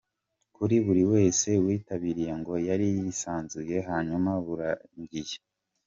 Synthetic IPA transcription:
kuɾiβuɾiwe̞ːse̞wiːtaβiɾije̞ŋɡo̞jaɾijisaːnzuje̞ɦaːɲumaβuɾaɲɟije

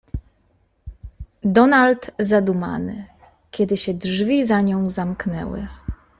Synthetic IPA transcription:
d̪ɔnalt̪zad̪uma̰nɘ | kʲɛd̪ɘɕɛdʐvʲizaɲɔ̃w̃zamknɛ̰wɘ̰

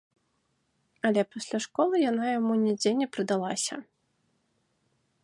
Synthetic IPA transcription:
ɐlʲɛpasʲlʲaʂkɔlˠɨjanajamunʲɛd͡zʲenʲɛpɾɨd̪alˠasʲɐ̰

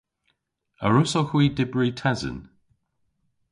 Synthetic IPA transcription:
əɹʊsoxwiːdɪbɹitʰɛzə̰n

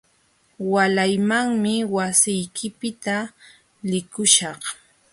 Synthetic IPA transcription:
walajmaŋmɪwasɪjkʰɪpɪt̪a | lɪkʊʃɑχ

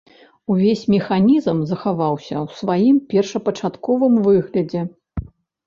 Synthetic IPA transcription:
uvʲesʲmʲɛxanʲizmzɐxavawsʲɐ̰wsvajimpʲɛrʂɐpɐt͡ʂat̪kɔvɨmvɨɣlʲɐd͡zʲɛ

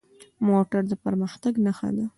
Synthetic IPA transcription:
moʈaɾd̪əpəɾməxt̪aɡnaxa̰d̪a

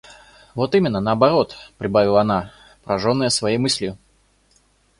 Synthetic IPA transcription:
vo̞t̪imʲɪnːənəɐbɐɾo̞t̪pɾʲɪbavʲɪlˠəɐna | pɾɐʐo̞nːəjəsvɐjejmɨsʲlʲjʊ

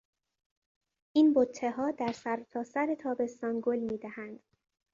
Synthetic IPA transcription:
ʔiːnbot̪ʰːe̞ɦɒːd̪æɾsæɾt̪ʰɒːsæɾe̞t̪ʰɒːbe̞st̪ɒːnɡolmiːd̪æhænd̪̥

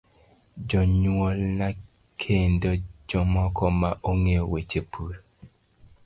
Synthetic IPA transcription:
d͡ʒɔɲuwɔlna | kʰendod͡ʒɔmɔkʰɔmaʔoŋewet͡ʃepʰuɾ

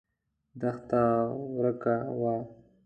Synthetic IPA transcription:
d̪axt̪awɾəkawa

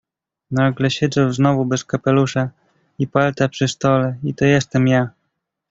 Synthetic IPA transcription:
naɡlɛɕɛd̪zɛwznɔvubɛskapɛluʂa | ipalt̪apʂɘst̪ɔlɛit̪ɔjɛst̪ɛmja

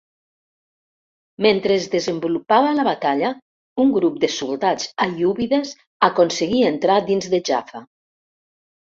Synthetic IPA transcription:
ment̪ɾezðezəmbulupaβalaβat̪aʎa | uŋɡɾup̚d̪əsulˠd̪ad͡zajuβiðez | akonseɣient̪ɾad̪inzðeʒafa

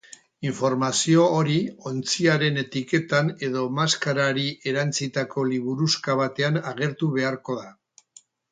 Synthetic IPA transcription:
iɱfo̞ɾmasio̞ːɾio̞nt͡siaɾe̞ne̞t̪ike̞t̪ane̞ðo̞maskaɾaɾiʔe̞ɾant͡sit̪ako̞liβuɾuskaβ̞at̪e̞anaɣe̞ɾt̪uβ̞e̞aɾko̞ða

